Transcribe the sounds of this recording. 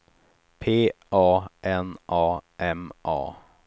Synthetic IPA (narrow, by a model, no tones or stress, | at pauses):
pʰeːʔɑːʔɛnʔɑːʔɛmʔɑ̰ː